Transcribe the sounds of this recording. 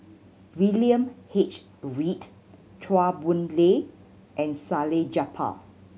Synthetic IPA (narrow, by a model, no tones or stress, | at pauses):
wiliə̃mhet͡ʃ | ɹit | t͡ʃʰwabũnle | ʔɛ̃nsaled͡ʒapʰa̰